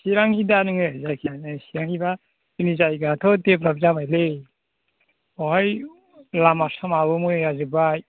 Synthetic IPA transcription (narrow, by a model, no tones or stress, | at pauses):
siɾaŋidanɯŋɯazakʰianɯsiɾaŋhiba | inizajɡatʰɔdepɾabzabajle | ɔɦaj | lamasɔmaβɯmɯazɯbaj